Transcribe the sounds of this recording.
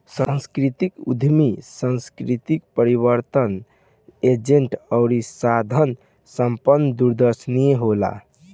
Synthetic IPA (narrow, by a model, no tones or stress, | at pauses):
sə̃nskɾit̪ikṵd̪ʱmisə̃nskɾit̪ik̚pəɾiβəɾt̪ən | ed͡ʒeɳʈəʊɾisad̪ʱən | səmpənːəd̪uɾd̪əɾsnijeɦola̰